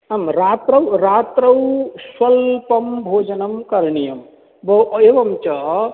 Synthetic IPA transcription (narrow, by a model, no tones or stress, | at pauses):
ɐmɾat̪ɾəwɾat̪ɾɐwswɐlpɐmbʱoːd͡ʒənəmkɐɾnijɐm | bɐebɐmt͡ʃɐ